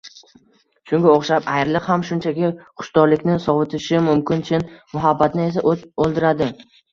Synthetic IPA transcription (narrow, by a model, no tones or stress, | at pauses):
ʃʊŋɡʲaoχʃapajɾlɪqhamʃʊnt͡ʃʰakʲɪχʊ̥ʃd̪ɒɾlɪkʲnɪsɒvɪt̪ʰɪʃɪmʊmkʲʰɪnt͡ʃʰɪnmʊɦabːat̪nɪe̞s̬aʔolˠd̪ɪɾad̪ɪ